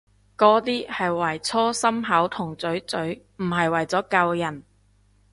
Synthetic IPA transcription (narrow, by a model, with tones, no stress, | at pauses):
kɔː˨˥t̪iː˥hɐ˨jwɐ˨˩jt͡sʰɔː˥sɐ˥mɦɐ˨˥wt̪ʰʊ˨˩ŋt͡sɵ˨˥ɥt͡sɵ˨˥ɥ | m̩˨˩ɦɐ˨jwɐ˨˩jt͡sɔː˨˥kɐ˧wjɐ˨˩n